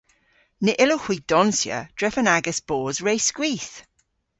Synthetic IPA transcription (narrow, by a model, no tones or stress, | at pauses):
nɪʔɪlohw̥id̥ɔnsjə̰d̥ɹɛfənaɡəsb̥ɔːzɹeɪskwiːˑθ